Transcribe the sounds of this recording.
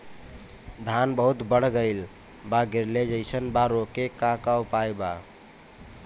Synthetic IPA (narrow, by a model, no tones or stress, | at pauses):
d̪ʱanbəɦut̪bəɽ̤ɡəɪl | baɡiɾled͡ʒəɪsənbaɾokekakawpajba